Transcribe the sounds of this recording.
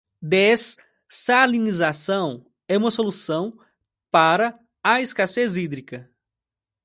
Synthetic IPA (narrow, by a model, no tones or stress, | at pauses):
d̪es | salinizasɐ̃w̃ | ɛũmɐsolusɐ̃w̃ | paɾɐ | aeskasezid̪ɾikɐ